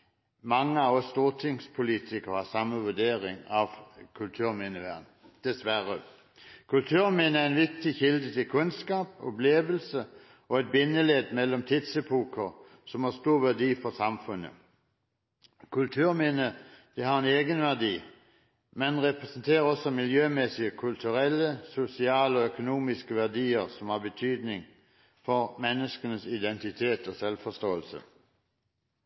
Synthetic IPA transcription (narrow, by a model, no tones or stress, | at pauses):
mɑŋːəɑʋɔst̪uːʁt̪ʰɪŋspʰʊliːt̪ʰɪkəʁɑsɑmːəʋʉd̪eːʁɪŋɑʋkʰʉlt̪ʰʉːʁmɪnəʋæʁn | d̪̥ɛsʋæʁə | kʰʉlt̪ʰʉːʁmɪnəæɛnʋɪk̚t̪ɪçɪld̪ət̪ʰɪlkʰʉnskɑːpɔ̰pleːʋəlsə | ɔɛt̪̚bɪnːəleːd̪mɛlːɔmt̪ʰɪd̪səpʰuːkʰəʁ | sɔmhɑst̪uːʁʋæʁd̪iːfɔsɑmfʉnə̰ | kʰʉlt̪ʰʉːʁmɪnəd̪̥ɛhɑʁɛneːɡənʋæʁd̪iː | mɛnʁɛpʁɛsənt̪ʰeːʁəɔsɔmɪljøːmɛsɪəkʰʉlt̪ʰʉʁɛlːəsʊsɪɑːləoːœkʊnuːmɪskəʋæʁd̪iːəʁsɔmhɑːʁbət̪ʰyːd̪nɪŋ | fɔʁmɛnːəskənəsɪd̪ɛnt̪ɪt̪ʰeːt̪oːsɛlfɔst̪oːəlsə̰